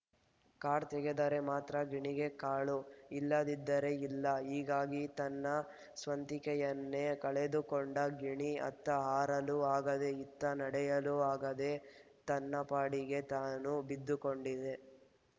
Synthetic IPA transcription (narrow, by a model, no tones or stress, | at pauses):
kaːɾt̪ɛɡed̪ɐɾe̞maːt̪ɾɐɡiɳiɡe̞kaːɭuilːɐd̪id̪ːɐɾe̞ilːɐɦiːɡaːɡit̪ɐnːɐ | sʋɐnt̪ikɛjɐnːe̞kɐɭed̪ukoɳɖɐɡiɳiɐ̰t̪ːɐɦaːɾɐluaːɡɐd̪e̞it̪ːɐnɐɽɛjɐluaːɡɐd̪e | t̪ɐnːɐpaːɽiɡe̞t̪aːnubid̪ːukoɳɖid̪e̞